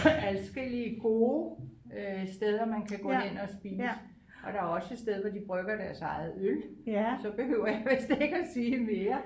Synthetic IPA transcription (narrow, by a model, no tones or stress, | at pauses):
ælsɡ̥el̰iəɡ̥o̝ː | øsd̥eð̞ˠɐmænkʰæɡ̥ɔ̰ːen̰ɒ̽sb̥iːns | ʔɒ̽d̥ɑ̈æɐɒ̽sə̥sd̥eð̞ˠʋɒd̥ib̥ʁœɡ̥ɐd̥æɐsɑ̈ɪð̩ˠølsɒ̽b̥e̝hø̰ʊ̰ɐjɑ̈ʋesd̥ee̝ɡ̥æsiːmeːɐ